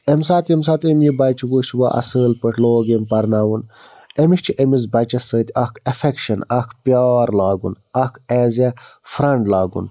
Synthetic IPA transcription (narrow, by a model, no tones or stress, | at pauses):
emsaːt̪ems̬aːt̪emjibɐt͡ʃʰiɡut͡ʃʰʋaʔɐ̰səːlpəʈʰloːɡempɐɾnaːwun | emiʃt͡ʃʰiʔemizbɐt͡ʃɐsəːt̪ʲɐkʰɐfʰekʃɐnɐkʰpjaːɾlaːɡṵn | ɐkʰɛːzafɾɐɳɖlaːɡṵn